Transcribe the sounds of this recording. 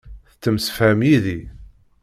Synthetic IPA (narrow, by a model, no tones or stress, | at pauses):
θt͡sːəmsəfhæmjiði